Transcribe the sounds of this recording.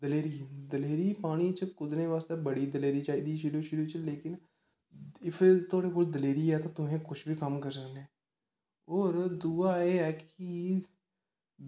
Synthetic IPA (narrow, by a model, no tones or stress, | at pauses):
d̪əleːɾiːd̪əleːɾiːpaːɽ̃iːt͡ʃəkʊd̪ɾẽːʋaːst̪eːbəɽiːd̪əleːɾiːt͡ʃaːɦiːd̪iːʃɪɽuːʃɪɾut͡ʃleːkɪn | ɪpʰt̪oːɽeːkoːld̪əleːɾiːɛːt̪ãːt̪ʊmẽːkʊʃʰbʱiːkəmkəɾsəkneː | oːɾd̪uːaːeːɛːki